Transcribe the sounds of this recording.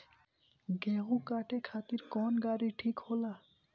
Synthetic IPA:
ɡeːɦũkaːʈekʰaːt̪iɾkɔːnɡaːɾiʈʰiːkholaː

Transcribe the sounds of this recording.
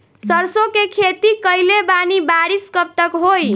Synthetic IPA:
səɾsokekʰet̪ikəjlebanibaɾiskəp̚t̪əkɦoj

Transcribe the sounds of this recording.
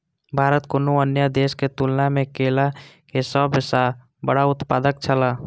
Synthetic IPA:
bʱaːɾət̪konoənjəd̪eːsket̪ulnamẽkeːla | kesəbɪsa | bəɽaʊt̪paːd̪ək̚t͡ʃʰəla

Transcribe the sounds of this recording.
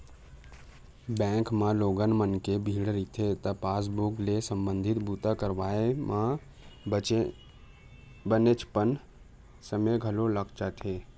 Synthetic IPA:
bɛ̃ːŋkmãloːɡənmənkebʱiːɽɾit̪ʰet̪ɐpaːs̬boːklesə̃mbə̃nd̪ʱɪt̪but̪akəɾʋaːemã | bənet͡ʃpən | səmeɡʱəloləkt͡ʃat̪ʰeː

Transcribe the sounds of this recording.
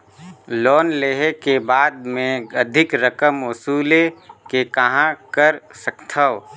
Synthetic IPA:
lɔːnleɦekebaːd̪̚mẽɐd̪ʱɪkɾəkəmʊsuːlekekɐɦãkəɾsəkt̪ʰəʋ

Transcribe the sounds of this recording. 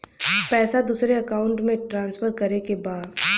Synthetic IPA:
pɛːsad̪uːsɾeɐkaːʊ̃ɳʈmẽʈɾãːnsfʰəɾkɐɾekebaːd̪

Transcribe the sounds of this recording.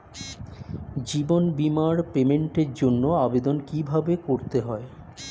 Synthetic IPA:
d͡ʑibonbimaɾpemeɳʈeɾd͡ʑonːoabed̪onkibʱabekoɾt̪eɦɔe

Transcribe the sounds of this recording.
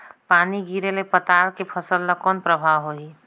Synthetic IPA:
paːniɡiːɾelepət̪aːlkepʰəsəlːəkɔːnpɾəbʱaːwɦoiː

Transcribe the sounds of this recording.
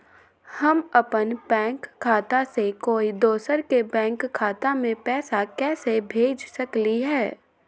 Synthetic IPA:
hɐmɐpənpɛ̃ːŋkʰːaːt̪asekoːid̪oːsəɾkebɛ̃ːŋkʰːaːt̪amẽpɛːsakɛːsebʱeːd͡ʒsɐkliɦɛː

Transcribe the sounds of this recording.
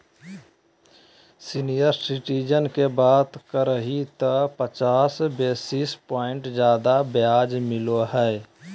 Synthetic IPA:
sinijəɾsɪʈid͡ʒənkebaːt̪kəɾəɦit̪əpət͡ʃaːsbeːsɪspɔːɪɳʈd͡ʒjaːd̪abjaːd͡ʒmɪloɦɛː

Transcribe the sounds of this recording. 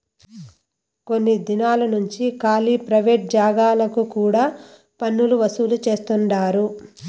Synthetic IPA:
ko̞nːid̪inaːlɐnuɲt͡ʃikaːlipɾɐʋeːʈ̚d͡ʒaːɡaːlɐkukuːɽaː | pɐnːuluʋɐsuːlut͡ʃe̞ːst̪uɳɖaːɾu

